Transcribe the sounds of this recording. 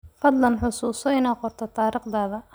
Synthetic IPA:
fɐd̪lɐnħʊsuːsɔɪnaːqɔrt̪ʰɔt̪ʰaːɾiːqd̪aːðɐ

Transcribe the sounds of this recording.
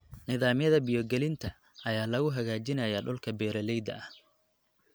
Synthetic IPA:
nɪðaːmjɐðɐbɪjɔɡɛlɪnt̪ʰɐ | ɐjaːlɐɣʊɦɐɣaːt͡ʃɪnɐjɐɖʊlkʰɐbɛːɾɐlɛjd̪ɐ̰ɐh

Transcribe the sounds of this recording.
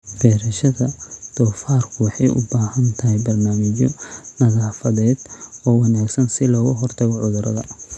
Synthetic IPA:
fɛːɾɐʃɐðɐd̪̥ɔːfaːrkʰʊwɑħɑjʔʊ̰baːhɐnt̪ʰɐɦɛjbɐrnaːmɪt͡ʃɔnɐɣaːfɐðɛːd̪̥ɔːwɑnaːɡsɐnsɪlɔːɣʊɦɔrt̪ʰɐɣɔʕʊðʊɾɐ̰ðɐ̰

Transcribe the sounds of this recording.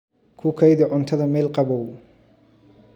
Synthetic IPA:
kʰʊkʰɐjðɐʕʊnt̪ʰɐðɐmɛːlqɑβɔw

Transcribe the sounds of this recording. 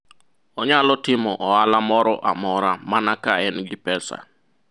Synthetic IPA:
ɔɲalɔtɪmɔʔɔalamɔɾɔʔa̰mɔɾamanakaɛnɡɪpɛsa̰

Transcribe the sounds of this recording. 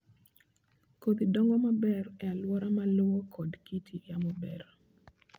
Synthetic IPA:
kod̪idɔŋɡɔmabɛrɛalwɔɾamalowokʰɔdkitʰijamɔbɛɾ

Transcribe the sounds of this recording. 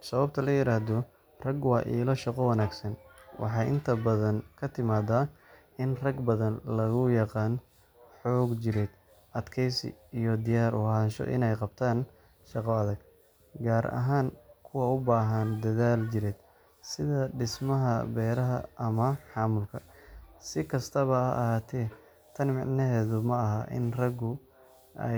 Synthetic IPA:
sɐβɐb̚t̪ʰɐlɐjɪɾaːhðɔ | rɐɡwɑʔḭːlɔʃɑqɔwɐnaːɡsɐnwʔɑ̰ħɑːʔɪnt̪ʰɐbɐðɐnkʰɐt̪ʰɪmaːðaː | ɪnrɐɡbɐðɐnlɐɣʊjɑqɑːn | ħɔːɡt͡ʃɪɾɛd̪ | ʔɐd̪kʰɛjsɪ̰ijɔd̪ɪjaːɾʊ̰haːnʃɔ̰ʔɪ̰nɛjqɑbt̪ʰaːn | ʃɑqɔɐðɐɡ | ɡaːɾʔɐ̰ɦaːnkʰʊwɑʊbaːɦɐnd̪ɐðaːlt͡ʃɪɾɛːd̪̥ | sɪðɐɖɪsmɐɦɐbɛːɾɐɦɐ̰ɐmɐħɑːmʊlkʰɐsɪkʰɐst̪ʰɐβɐɐ̰ʔːhaːt̪ʰɛː | t̪ʰɐnmɪʕnɐɦɛːðʊmɐɐɦɐʔɪ̰nrɐɡʊ | ʔɛ̰

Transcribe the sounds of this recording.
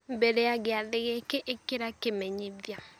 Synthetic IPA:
mbɛɾɛaɡeaðeɣekeʔekeɾakemɛɲiðja

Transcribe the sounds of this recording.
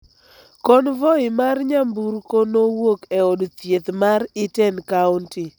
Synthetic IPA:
kɔnvɔɪmarɲambuɾkonowokɛɔdt̪jet̪maɾɪtɛnkaʊnti

